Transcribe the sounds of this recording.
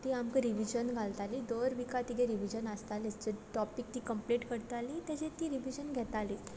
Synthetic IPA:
t̪iamkəɾiʋid͡ʑənɡʱalt̪aliːd̪oɾʋikat̪iɡʱẽɾiʋid͡ʑənəst̪alet͡ɕeʈɔpik̚t̪ikəmpliʈkəɾt̪alit̪ɛt͡ɕẽt̪iːɾiʋid͡ʑənɡʱɛt̪aliː

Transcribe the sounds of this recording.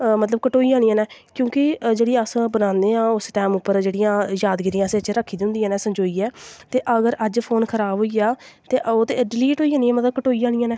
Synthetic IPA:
mət̪ləb̚kəʈoːiːd͡ʒaːɽ̃ijãːnɛːkjõːkɪd͡ʒeːɽiəsbənãːnd̪eːãːʊsʈɛːmʊpːəɾd͡ʒeːɽijãːjaːd̪ɡɪɾijãːset͡ʃɾəkʰːiːd̪ʊ̃nd̪ijãːnɛːsəɲd͡ʒoːiːɛːt̪eːʔəɡəɾəd͡ʒpʰoːnkʰəɾaːbɦoːiːjaːt̪eːʔoːt̪eːɖɪliːʈɦoːiːɦaːnĩːɛːmət̪ləb̚kəʈoːiːd͡ʒaːɽ̃iːãːnɛː

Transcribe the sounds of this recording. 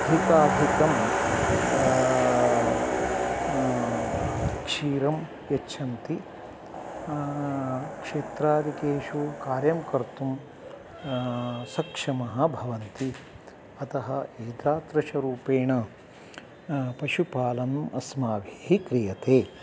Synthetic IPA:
d̪ʱik̪aːd̪ʱikɐm | kʂiːɾɐm | jɐʃʰɐnt̪i | kʂeːt̪ɾaːɾikeːʃukaːɾjɐmkɐɾt̪um | sɐkʂɐmɐɦɐ̆bʱɐʋɐnt̪i | ɐt̪ɐɦɐeːd̪ɾaːt̪ɾɐʃɐɾuːpeːɳɐ | pɐʃupaːlɐnmɐsmaːʋiɦikɾijɐt̪eː

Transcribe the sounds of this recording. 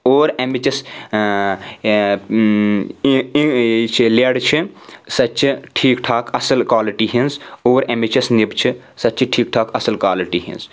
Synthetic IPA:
oːɾemit͡ʃɐs | t͡ʃʰleːɽt͡ʃʰisɐtːt͡ʃʰʈʰiːkʈʰaːkʰɐsəlkwaːliʈiɦĩnsoːɾemit͡ʃɐsnibt͡ʃʰɨ | sɐtːt͡ʃʰɨʈʰiːk̚ʈʰaːkɐsəlkaːliʈiɦḭ̃ns

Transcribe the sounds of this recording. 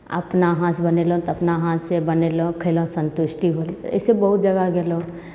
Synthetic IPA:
ɐ̰pnaɦãsbɐnelõt̪ɐpnaɦãːsebɐnelõkʰelõsə̃nt̪ʊʃʈiɦolɛ̰sebɐɦʊt̪̚d͡ʒɐɡaɡelõ

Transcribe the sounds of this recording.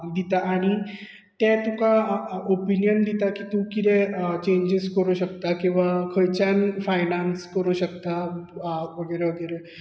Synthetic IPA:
d̪it̪aʔːɽ̃i | t̪ɛ̃t̪ũkaopinjənd̪it̪akit̪ũkid̪ɛt͡ɕẽɲd͡ʑiskəɾuɕəkt̪akĩw̃ʋakʰəjt͡ɕanfajnanskəɾuɕəkt̪a | ʋəɡəjɾeʋəɡəjɾɛ

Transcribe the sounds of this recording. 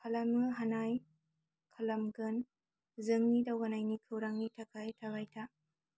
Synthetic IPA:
kʰalamɯɦanaj | kʰalɐmɡɯn | zɯŋnidawanajnikʰɯwɾaŋnitʰakʰajtʰaβajtʰa

